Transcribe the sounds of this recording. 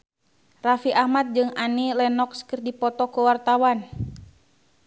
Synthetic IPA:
rafiʔahmat̪̚d͡ʒɨŋanilɛnɔkskɨrdipɔt̪ɔkuwart̪awan

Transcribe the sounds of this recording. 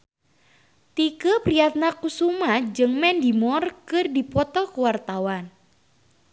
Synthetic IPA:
t̪ikəpɾiat̪̚nakusumad͡ʒɨŋmɛndimɔrkɨrdipɔt̪ɔkuwart̪awan

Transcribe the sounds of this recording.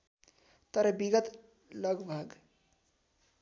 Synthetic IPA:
t̪ʌɾʌbiɡət̪ | ləɡbʱəɡ

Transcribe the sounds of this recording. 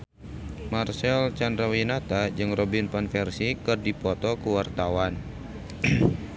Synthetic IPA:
marsɛlt͡ʃandɾawinat̪ad͡ʒɨŋrɔbinpanfɛrsikɨrdipɔt̪ɔkuwart̪awan

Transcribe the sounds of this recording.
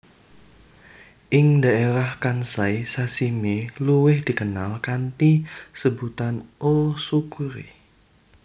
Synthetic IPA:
ʔɪŋdaeɾahkansajsasimeluwɪhd̥i̤kənalkant̪isəbut̪anosukuɾḭ

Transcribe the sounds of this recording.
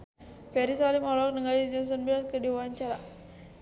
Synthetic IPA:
pɛɾisalimɔlɔk̚nəŋalid͡ʒɔns̬ɔnbiaskədiwaɲt͡ʃaɾa

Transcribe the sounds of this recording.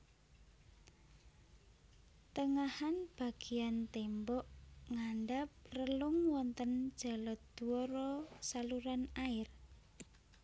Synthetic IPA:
t̪əŋahanb̥a̤ɡ̥i̤ant̪embɔʔŋaɳɖap̚rəlʊŋwɔnt̪ənd̥d͡ʒ̥a̤lɔd̪̥uɔɾɔsaluɾanaɪr

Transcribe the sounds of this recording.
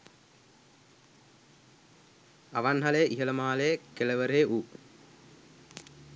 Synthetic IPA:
aʋanɦalejʔiɦələmaːlejəkeləʋəɾeʔu

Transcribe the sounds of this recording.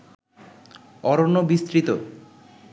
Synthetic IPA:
ɔɾonobist̪ɾit̪o

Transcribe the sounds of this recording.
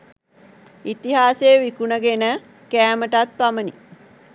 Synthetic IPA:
it̪iɦaːseːʋikunəɡenə | kæːməʈat̪̚pamənḭ

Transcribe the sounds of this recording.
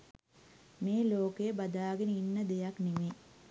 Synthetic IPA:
meːloːkejəbɐd̪aːɡenəinːəd̪ejaknime

